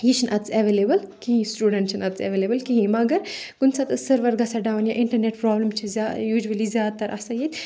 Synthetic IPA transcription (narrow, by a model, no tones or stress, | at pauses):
jit͡ʃʰinʔɐt̪t͡sɐʋelebɐlkiɦĩsʈuːɖɐɳʈ̚t͡ʃʰinɐt̪t͡sḛʋeːleːbɐlkiɦĩmɐɡɐɾkunsɐt̪ɨsɐɾʋɐɾɡɐsaɖaːwnjaʔiɳʈɐɾneʈpɾɔːblɐmt͡ʃʰizajuːd͡ʒuɐlizjaːd̪̚t̪ːɐɾʔɐsɐjit̪ʲ